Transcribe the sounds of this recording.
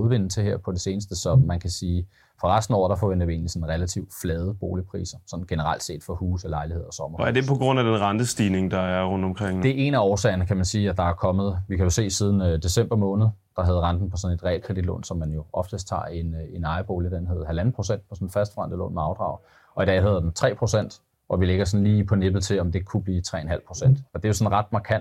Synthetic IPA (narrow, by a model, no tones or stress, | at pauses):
uðˠʋe̝n̰̩ˠt͡sʰe̝heɐ̰pʰɒ̽d̥e̝se̝ːnəsd̥əsɒ̽mænkʰæsiː | fɒ̽ʁɑsd̥n̩ɒ̰ɾ̥ɑ̈fɒʋen̰d̥ɐʋie̝̰ːnlisɒ̽n̩ʁɛlæt͡sʰiʊd̥flɛːð̞ˠəb̥o̝ːlipʰʁḭːsɐsɒ̽n̩ɡ̥enəʁɑ̈l̰d̥se̝̰ːd̥fɒ̽huːsɒlɑ̈ɪlihe̝ð̞̰ˠɒsɒ̽mɐæɐd̥e̝pʰɒ̽ɡ̥ʁɔ̽n̰æd̥enʁɑnd̥əsd̥iːne̝ŋd̥ɑ̈æɐʁɔnd̥ɒ̽mkʰʁeŋ̰d̥e̝ʔe̝næɒːsɛ̰ːɪɐnəkʰæmænsiːæd̥ɑ̈æɐkʰɒ̽mð̞̩ˠʋikʰæjo̝se̝̰ːsið̞ˠn̩d̥e̝sem̰b̥ɐmɔ̽ːnð̞̩ˠd̥ɑ̈ɦæð̩ˠʁɑ̈nd̥n̩pʰɒ̽sɒ̽ne̝d̥ʁɛ̰ːlkʰʁɛd̥id̥lɔ̰ːnsɒ̽mːænjo̝ɒ̽fd̥əst͡sʰɑ̰̈ːe̝nenɑ̈ɪb̥o̝ːlid̥enɦeð̩ˠɦælæn̩pʰʁo̝sen̰d̥̚pʰɒsɒ̽nn̩fæsd̥fʁɑn̰d̥əlɔ̰ːnmeɑ̈ʊd̥ʁɑ̈ʊ | ʔɒ̽id̥ɛ̰ːɦæðˠd̥ent͡sʰʁɛ̰ːpʰʁo̝sen̰d̥ | ɒ̽ʋileɡ̥ɐsɒ̽n̩liːipʰɒ̽neb̥ð̩ˠt͡sʰe̝lɒ̽md̥e̝kʰub̥liːt͡sʰʁɛ̰ːenɦæl̰pʰʁo̝sen̰d̥ɒd̥e̝jo̝sɒ̽nʁɑ̈d̥̚mɑ̈kʰæn̰d̥